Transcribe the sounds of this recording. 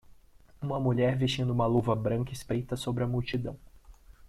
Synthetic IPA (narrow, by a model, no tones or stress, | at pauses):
ũmɐmuʎɛɾveʃt͡ʃĩnd̪ʊũmɐluvɐbɾɐ̃ŋkɐispɾejt̪ɐsobɾɪɐmuwt͡ʃid̪ɐ̃w̃